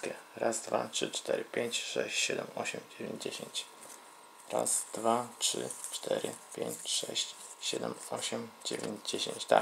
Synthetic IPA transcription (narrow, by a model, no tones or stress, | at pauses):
kʲɛɾazd̪vatʂɘt͡ʂt̪ɛɾɘpʲeɲt͡ɕʂɛɕt͡ɕɕɛd̪ɛmɔɕɛmd͡ʑevʲẽɲd͡ʑd͡ʑeɕeɲt͡ɕ | ɾazd̪̥vatʂɘt͡ʂt̪ʰɛɾɘpʲjẽɲt͡ɕʂɛɕt͡ɕɕɛd̪ɛmɔɕɛmd͡ʑevʲeɲd͡ʑd͡ʑeɕẽɲt͡ɕt̪a